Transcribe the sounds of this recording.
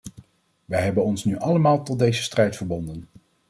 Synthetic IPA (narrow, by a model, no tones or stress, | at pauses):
ʋəjɦɛbənɔnsnyʔɑləmaːlˠtɔd̚dejzəstrɛjtfəɹbɔndən